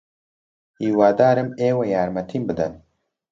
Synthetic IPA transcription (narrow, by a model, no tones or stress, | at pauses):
iːwaːd̪aːɾɨmeːwejaːɾmɐt̪ʰiːmbɨd̪ɨn